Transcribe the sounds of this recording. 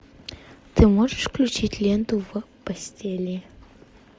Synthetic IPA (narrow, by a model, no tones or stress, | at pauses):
t̪ɨmoʐɨʂklʲʉt͡ɕitʲlʲend̪uvɐ | pɐsʲtʲelʲe